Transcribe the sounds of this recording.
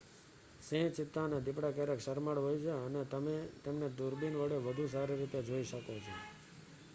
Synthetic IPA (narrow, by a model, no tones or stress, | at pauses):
sẽt͡ʃɪt̪ːaned̪ɪpɽakeɾəkʃəɾməɽɦojt͡ʃʰeənet̪əmet̪emned̪uɾbinʋəɽeʋəd̪ʱus̬aɾiɾit̪ed͡ʒoiʃəkot͡ʃʰo